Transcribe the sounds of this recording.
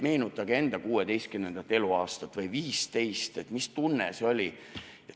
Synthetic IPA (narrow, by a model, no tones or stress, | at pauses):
me̞ːnut̪ːˑɑɡ̥e̞nd̪̥ɑkuːe̞d̪e̞jst̪̚kymnend̪̥ɑt̪ːˑe̞luɑːst̪ɑt̪ːˑvɤjviːst̪e̞jst̪e̞t̪mist̪unːeseo̞lʲi | e